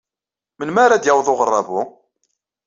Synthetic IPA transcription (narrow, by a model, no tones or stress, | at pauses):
mənmaɾad̪jawðˤʊʁərˤːɑvʊ